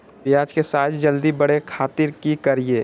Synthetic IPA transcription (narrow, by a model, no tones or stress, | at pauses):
pɪjaːd͡ʒkesaːt̪ʰd͡ʒəld̪ibəɽekʰaːt̪ɪɾkikəɾieː